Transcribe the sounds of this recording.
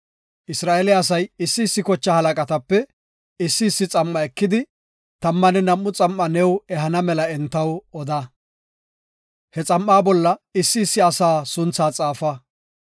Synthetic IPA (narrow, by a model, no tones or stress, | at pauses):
ʔɪsɾaːɛlɪɐs̬ɐjɪsːɪːsːɪkɔt͡ʃːɐhɐlɐkʼɐt̪ɐpːɛ | ɪsːɪːsːɪt͡sʼɐmːɐɛkːɪd̪ɪ | t̪ɐmːɐnɛnɐmːʊt͡sʼɐmːɐnɛwɛɦɐnɐmɛlɐɛnt̪ːɐwɔd̪ɐ | hɛt͡sʼɐmːaːbɔlːɐɪsːɪːsːɪɐsaːsʊnt͡sːaːt͡sʼaːfɐ